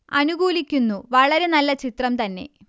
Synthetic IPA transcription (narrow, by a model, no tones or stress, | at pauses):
ɐnuɡuːlikʲːunːuʋɐɭɐɾe̞nɐlːɐt͡ɕit̪rɐmt̪ɐnːe̞̰